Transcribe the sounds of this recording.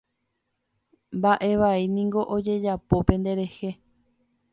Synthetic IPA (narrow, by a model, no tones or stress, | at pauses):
mbaʔe̞ʋainĩŋɡo̞ʔod͡ʒe̞d͡ʒapo̞pẽ̞nd̪e̞ɾe̞he̞